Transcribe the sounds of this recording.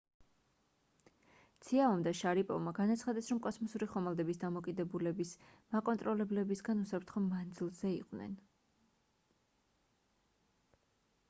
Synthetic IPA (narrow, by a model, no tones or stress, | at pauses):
t̪sʰiaɔmd̪aʃaɾipʼɔ̰vmaɡanat̪sʰχad̪ɛsɾɔmkʼɔsmɔsuɾiχɔmalˠd̪ɛbisd̪amɔkʼid̪ɛbulɛbismakʼɔnt̪ʼɾɔlɛblɛbisɡanusapʰɾt̪ʰχɔmand̪zilˠzɛḭqʼvnɛ̰n